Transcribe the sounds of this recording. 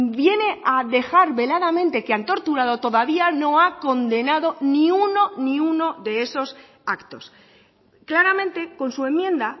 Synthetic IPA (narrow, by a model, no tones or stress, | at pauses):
bje̞ne̞ʔaðe̞xaɾβe̞laðamẽ̞nt̪e̞keant̪o̞ɾt̪uɾað̞o̞t̪o̞ðaβiano̞ako̞nd̪e̞naðo̞nĩuno̞nĩuno̞ðe̞eso̞s | akt̪o̞s | klaɾamẽ̞nt̪e̞ko̞nsue̞mːjẽ̞nd̪a